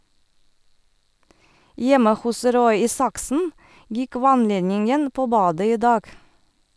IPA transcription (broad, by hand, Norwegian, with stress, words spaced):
ˈjɛmə ˈhʊs ˈɾɔʏ ˈiːsɑksn̩ ˈjɪk ˈʋɑnˌleːnɪŋən ˈpoː ˈbɑːdə ˈiː ˈdɑːɡ